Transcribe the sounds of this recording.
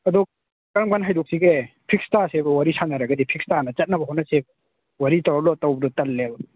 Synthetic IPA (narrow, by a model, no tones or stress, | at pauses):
ɐdɔ | kaɾmɡanɦajdɔk̚siɡepʰik̚stasebɐwaɾisanɐɾaɡɐdipʰik̚stanɐt͡ʃɐt̚nɐbɐɦɔnɐsebɐ | waɾitawɾalɔtawbɐdɔtɐlːeb